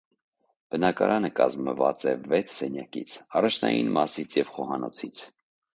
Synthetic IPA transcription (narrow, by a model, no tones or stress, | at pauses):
b̥ənɑkɑɾʔɑnəkɑzməvɑ̰t͡sɛvɛt͡sʰsɛnjɑkḭt͡sʰɑrɑt͡ʃʰnɑ̰jinmɑsit͡sʰjɛvχɔhɑnɔt͡sʰit͡sʰ